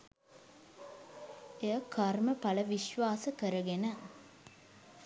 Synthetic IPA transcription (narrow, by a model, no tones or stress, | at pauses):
eəkʰarməpɐləʋiʃʋaːsəkəɾəɡenə